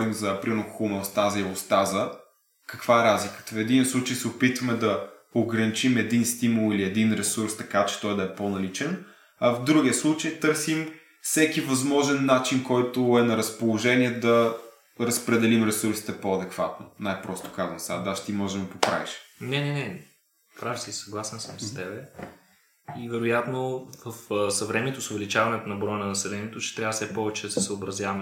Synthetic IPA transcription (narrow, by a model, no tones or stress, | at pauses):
ɾimzɐpɾinokxʊmɛʊst̪azɐiost̪azə | kəkv̥aɛɾazlikə̥t̪əfɛd̪inəslˠut͡ʃəjsɛʊpit̪vɐmɛd̪ɐ | oɡɾɐnit͡ʃimɛd̪inst̪imulˠiliɛd̪inɾɛsuɾst̪ɐkat͡ʃɛ̥t̪ɔjd̪ɐɛponɐlit͡ʃɛn | ɐvd̪ɾuɡʲiəslˠut͡ʃəjt̪ɤɾsim | fsɛk̟ivɐzmɔʒɛnːat͡ʃinkɔjt̪ʊɛnɐɾəspolˠoʒɛniɛd̪ɐ | ɾəspɾɛd̪ɛlimɾɛsuɾsi̥t̪ɛpoɐd̪ɛkvat̪no̰najpɾɔst̪o̥kazvɐ̰̃msad̪aʃt̪imɔʒɛəpopɾa̰viʃnɛnɛnɛ | pɾavsisɐɡlˠasɛnsəmst̪ɛbɛ | ivɛɾʊjat̪novəfsɐvɾɛmɛt̪osʊvɛlit͡ʃavɐnɛt̪ʊnɐbɾɔjənɐnɐsɛlɛniɛt̪ot͡ʃɛ̥t̪ɾʲavəsɛpɔvɛt͡ʃɛd̪ɐsɛsəobɾɐzʲjavɐm